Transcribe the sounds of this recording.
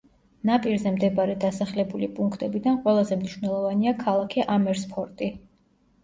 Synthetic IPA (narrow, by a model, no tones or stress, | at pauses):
napʼiɾzɛmd̪ɛbaɾɛd̪asaχlɛbulipʼuŋkʰt̪ʼɛbid̪anqʼwɛlˠazɛmniʃvnɛlˠɔvaniakʰalˠakʰɛʔamɛɾspʰɔɾt̪ʼi